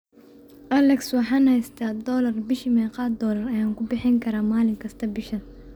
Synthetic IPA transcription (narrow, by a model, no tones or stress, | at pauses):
ʔɐlɛkswɑħɑːnhɛjst̪ʰaːd̪ɔːlɐrbɪʃiːmɛːqɑːd̪d̪ɔːlɐrɐjaːŋkʰʊbɪħɪŋkʰɐɾaːmaːlɪŋkʰɐst̪ʰɐbɪʃɐn